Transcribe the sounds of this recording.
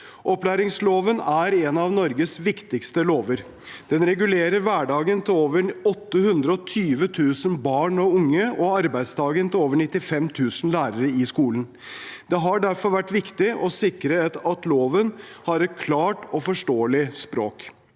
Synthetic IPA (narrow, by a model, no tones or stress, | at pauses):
ʔɔplæːɾɪŋsloːʋənæɾɛnɑʋnɔɾɡəsʋɪkt̪ɪkst̪əloːʋəɾ | d̪̥ɛnɾɛɡʉleːɾəɾʋæːɖɑːɡənt̪ʰɪoːʋəɾɔt̪ːəhʉnd̪ɾəɔt̪ʰyːʋət̪ʰʉːsənbɑːɳɔʊŋːəɔɑɾbæɪd̪st̪ʰɑːɡənt̪ɪloːʋəɳɪt̪ːɪfɛmt̪ʰʉːsn̩læːɾəɾəɪskuːlən | d̪̥ɛɦɑɖæɾfɔɾʋæʈːʋɪkt̪ɪʔɔsɪkɾət̪ɑt̪loːʋən | hɑɾɛt̪̚kʰlɑːʈɔfɔʂʈoːəlɪspɾoːk